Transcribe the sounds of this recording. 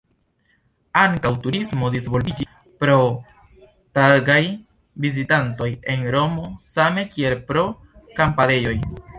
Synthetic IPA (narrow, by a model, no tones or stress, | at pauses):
aŋkawtuɾismo̞disvo̞lbid͡ʒi | pɾo̞ | taɡaj | vizitanto̞je̞nɾo̞mo̞same̞kie̞lpɾo̞ | kampade̞jo̞j